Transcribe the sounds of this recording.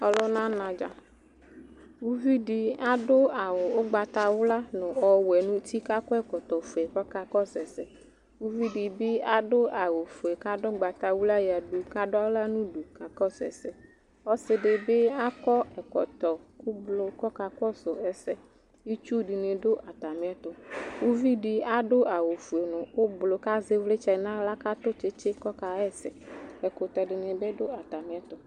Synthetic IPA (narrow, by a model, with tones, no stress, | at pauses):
ɔ˨lɔ˦nã˦nã˨d͡ʒa̰˨ | wu˦vi˦ɖi˨a˦ɖʊ˦a˨wo˨o˦ɡ͡ba˨t̪a˨wʊ˦la˦nʊ̃˨ɔ˨wɛ˨nũ˦t̪i˦ka˦kɔ˦ɛ˨kɔ˨t̪ɔ˨fo˨ɛ˨kɔ˦ka˦kɔ˦sɛ˨sɛ˨ | wu˦vi˦ɖi˨bɪ˦a˦ɖʊ˦a˨wo˨fo˨ɛ˨ka˦ɖɔ˦ɡ͡ba˨t̪a˨wu˦la˦ja˨ɖu˨ka˦ɖʊ˦a˦wla˦nũ˦ɖu˨ka˨kɔ˦sɛ̰˨sɛ˨ | ɔ˦sɪ˦ɖɪ˨bɪ˦a˦kɔ˦ɛ˨kɔ̰˨t̪ɔ˨ku˦blʊ˨kɔ˦ka˨kɔ˦sʊ˨ɛ˨sɛ˦ | ji˦t͡ʃu˦ɖi˨ne˨ɖʊ˦ʔa˨t̪a˨mɪ̃˨˦ɛ˦t̪ɔ˨wo˦vi˦ɖi˨a˦ɖʊ˦ʔa˨wo˨fu˨e˨nʊ̃˨wo˦blo˨ka˦ze˦vle˦t͡ʃɛ˨nã˦la˦ka˦t̪ʊ˦t͡ʃe˦t͡ʃɪ˦kɔ˦ka˨ɛ˦sɛ˨ɛ˨kɔ˨t̪ɔ˨ɖɪ˨nẽ˨be˦ɖʊ˦a˨t̪a˨mɪ̃˨˦ɛ˦t̪ɔ˨